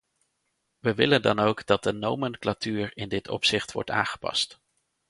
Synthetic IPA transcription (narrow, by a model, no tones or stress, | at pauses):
ʋəʋɪləndɑnowɡd̥ɑt̚dənowmənklatyːɹɪndɪtʰɔ̰psɪχtʋɔ̰ɹta̰ːnχə̥pɑ̰st